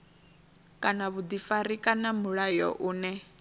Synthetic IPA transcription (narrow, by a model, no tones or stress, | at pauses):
kʼanaβud̪ifaɾikʼanamuɺajɔ̰ʔuːnɛ